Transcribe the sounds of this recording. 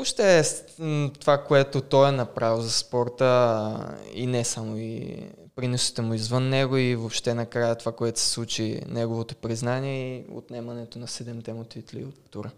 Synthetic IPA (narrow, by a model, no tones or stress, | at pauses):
voʃt̪ɛ | t̪ovakoɛt̪ot̪ɔjɛnɐpɾaviwzɐspɔɾt̪ə | ḭnɛsamoḭ | pɾinusi̥t̪ɛmʊizvənːɛɡoivopʃt̪ɛnɐkɾajət̪ovakoɛt̪ʊ̥sɛ̥slˠut͡ʃinɛɡovot̪o̥pɾiznaniɛio̰t̪nɛmɐnɛt̪onɐsɛd̪ɛmt̪ɛmot̪it̪lḭot̪ːuɾə